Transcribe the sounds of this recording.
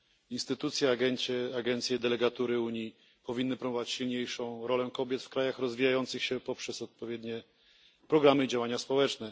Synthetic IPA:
inst̪ɘt̪ut̪sʲjɛaɡɛnɛaɡɛnt̪sʲjɛd̪ɛlɛɡat̪uɾɘuɲi | pɔvʲinːɘpɾɔbɔvat͡ɕɕilɲejʂɔ̃w̃ɾɔlɛkɔbʲjɛt̪fkɾajaxɾɔzvʲijajɔnt̪sɘxɕɛpɔpʂɛsɔt̪̚pɔvʲjɛd̪ɲɛ | pɾɔɡɾamɘid͡ʑawaɲaspɔwɛt͡ʂnɛ

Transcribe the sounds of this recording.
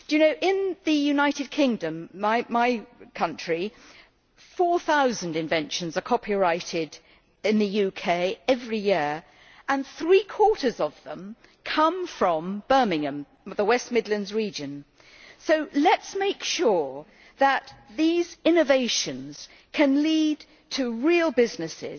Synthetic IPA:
jɨnoʊʔɪ̃nðɨjʉnaɪɾɨd̚kʰɪ̃ŋdɨ̃mːaɪmaɪkʰʌ̃nt͡ʃɹ̥i | fɔɹθaʊzɨ̃n̩dɨ̃ɱvɛ̃nʃɨ̃n̩zə˞kʰɑpʰiɹaɪɾɪɾ | ɪ̃nðɨjʉkʰeɪɛvɹijɪɹ | ʔə̃nθɹikʰw̥ɔɹɾə˞zʌvðə̰̃m | kʰʌ̃ɱfɹə̃mb̥ɜ˞mɪ̃ŋɨ̃m | ðəwɛst̚mɪdˡlɨ̃ndzɹid͡ʒɨ̃n | soʊlɨtsmeɪkʃʊɹ | ðət̪̚ðizɪ̃nɨveɪʃɨ̃nz̥ | kʰɨ̃nlid | tʰɨɹilˠbɪznɨsɪ̰z

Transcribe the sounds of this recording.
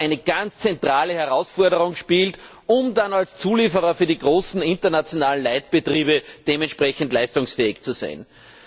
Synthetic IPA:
ʔæɪnəɡ̥ant͡st͡sɛntʁ̥aːləhɛɐʁaʊsfɔɐɾəʁʊŋʃpiːlt | ʊmdanalst͡suːliːfəʁɐfyːɐdiɡʁoːsn̩ɪ̃ntɐnat͡sjonaːlən̩laɪt̚b̥ətʁ̥iːbəd̥eːmɛntʃpʁɛçn̩tlaɪstʊŋsfɛːɪçt͡suza̰ɪn

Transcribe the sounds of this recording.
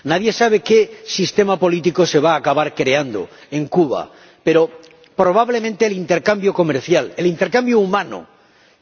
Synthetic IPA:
naðje̞saβ̞e̞ke̞sist̪e̞mapo̞lit̪iko̞se̞β̞aːkaβaɾkɾe̞and̪o̰e̞ŋkuβ̞a̰ | pe̞ɾo̞ | pɾo̞β̞aβle̞mẽnt̪e̞ːlint̪e̞ɾkambjoko̞meɾθjalelint̪e̞ɾkambjoumãno̰

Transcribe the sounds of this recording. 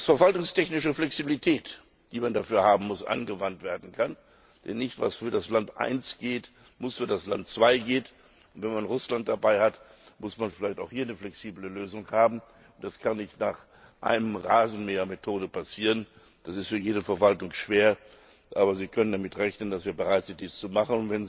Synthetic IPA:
fɛɐvaltʊŋstʰɛçnɪʃəflɛksibilitʰɛːt | d̥iːmandafyːɐhaːbm̩mʊsʔa̰nɡəvantv̥eːɐdn̩kʰan | d̥ɛnːɪçtv̥a̰sfyːɐdaslantʔa̰ɪnsɡ̥eːt | mʊsfyːɐdasla̰ntt͡sv̥aɪɡeːt | ʊntv̥ɛnmanʁʊslant̚d̥abaɪhatmʊsmanfɪlaɪçtaʊxhiːɐnəflɛksiːbləløːzʊŋhaːbm̩ | ʊntd̥askʰanːɪçtnaːχ | ʔa̰ɪnəmʁaːzn̩meːɐmetʰoːdəpʰasiːʁən | d̥asɪstfyːɐjeːdəfɛɐvaltʊŋʃv̥eːɐ | ʔaːbɐziːkʰœnəndamɪtʁɛçnəndasv̥iːɐbəʁaɪtz̥ɪnt̚d̥iːst͡sumaχənʊntvɛn

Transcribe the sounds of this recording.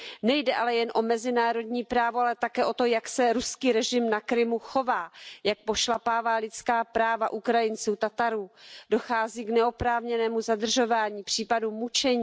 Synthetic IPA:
nɛjdɛʔalɛjɛnʔo̞mɛzɪnaːɾo̞dɲiːpɾaːvoalɛt̪akɛːʔo̞t̪o̞jaksɛɾuskiːɾɛʒɪmnakɾɪmuxo̞vaːjak̚poʃlapaːvaːlɪtt͡skaːpɾaːvaʔukɾajɪnt͡suːt̪at̪aɾuːdo̞xaːziːknɛo̞pɾaːvɲɛnɛːmuzadr̩ʒo̞vaːɲiːpr̝̥iːpadumut͡ʃɛɲ

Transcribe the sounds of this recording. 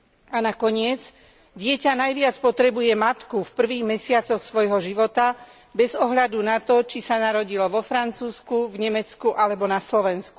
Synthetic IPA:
anakɔɲɪɛd͡z | ɟɪɛcanajʋɪat͡spɔt̪ɾɛbujɛmat̪kufpr̩ʋiːɣmɛsɪat͡sɔxsʋɔjɦɔʒiʋɔt̪a | bɛzɔɦʎad̪unat̪ɔt͡ʃisanaɾɔɟilɔʋɔfɾant͡suːskuvɲɛmɛt͡skuʔalɛbɔnaslɔʋɛnsku

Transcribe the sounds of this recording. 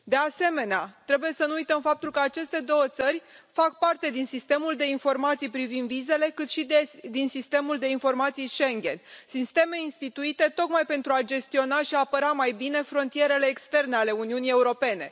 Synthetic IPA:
d̪e̞ase̞me̞neat̪ɾe̞buje̞sənuujt̪əmfap̚t̪ulkəat͡ʃe̞st̪e̞d̪o̞wət̪sərʲ | fak̚part̪e̞d̪insist̪e̞muld̪e̞info̞rmat̪sijpɾivind̪vize̞le̞kɨt̪ʃid̪insist̪e̞muld̪e̞info̞rmat̪sijʃe̞ŋɡʲe̞̰nsist̪e̞me̞inst̪it̪uit̪e̞t̪o̞kmajpe̞nt̪ɾuad͡ʒe̞st̪io̞naʃiaːpəɾamajbine̞fɾo̞nt̪ije̞ɾe̞le̞ːkst̪e̞rneale̞uniunije̞uɾo̞pe̞ne̞

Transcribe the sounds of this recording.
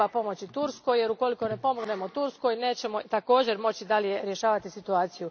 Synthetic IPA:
apo̞mo̞t͡ɕit̪uɾsko̞jje̞ɾuko̞liko̞ne̞po̞moɡne̞mot̪uɾsko̞jne̞ːt͡ɕe̞mo̞t̪ako̞ːd͡ʑe̞ɾmo̞t͡ɕid̪alije̞ɾje̞ʃaːʋat̪isit̪uaːt̪siju

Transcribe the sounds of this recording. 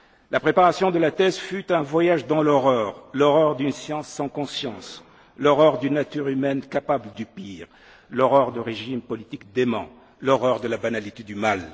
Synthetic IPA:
lapχepaʁasjɔ̃d̪əlat̪ɛzfyt̪ɛ̃vwajaʒd̪ɑ̃lɔʁœʁlɔʁœʁd̪ynsjɑ̃sːɑ̃kɔ̃sjɑ̃s | lɔʁœʁd̪ynːat̪yʁymɛnkapabləd̪ypiʁ | lɔʁœʁd̪əʁeʒimpɔlit̪ikd̪emɑ̰̃ | lɔʁœʁd̪əlabanalit̪ed̪ymal

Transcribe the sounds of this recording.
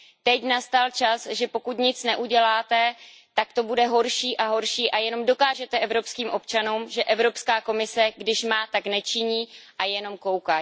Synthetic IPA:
t̪ɛcnast̪alt͡ʃasʒɛpo̞kut̪ɲɪt͡snɛʔuɟɛlaːt̪ɛ | t̪akt̪o̞budɛɦo̞ɾʃiːʔaɦo̞ɾʃiːʔajɛno̞mdo̞kaːʒɛt̪ɛʔɛvɾo̞pskiːmʔo̞pt͡ʃanuːmʒɛʔɛvɾo̞pskaːko̞mɪsɛɡdɪʃmaːt̪aknɛt͡ʃɪɲiːʔajɛno̞mko̞wkaː

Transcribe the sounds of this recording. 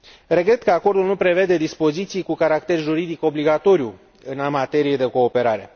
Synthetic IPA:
re̞ɡɾe̞t̪kəako̞rd̪ulnupɾe̞ve̞d̪e̞d̪ispo̞zit̪sijkukaɾakt̪e̞rʒuɾid̪iko̞bliɡat̪o̞ɾju | ɨnamat̪e̞ɾije̞d̪e̞ko̞ːpe̞ɾaɾe̞̰

